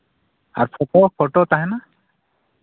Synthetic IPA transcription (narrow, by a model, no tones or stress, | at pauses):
a̰ɹpʰɔpɔpʰɔʈɔt̪aɦɛna